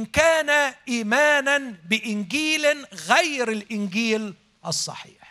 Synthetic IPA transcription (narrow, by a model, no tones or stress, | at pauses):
nkaːnaʔiːmaːnanbɪʔɪnɡiːlɣajɾalʔɪnɡiːl | ʔɑsˤːɑ̰ħḭːħ